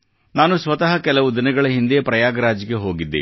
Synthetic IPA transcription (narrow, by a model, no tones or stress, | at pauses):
naːnusʋɐt̪ɐɦɐkɛlɐʋud̪inɐɡɐɭɐɦind̪ijɐpɾɐjaːɡɐɾaːd͡ʒɡe̞ɦo̞ːɡid̪ːḭ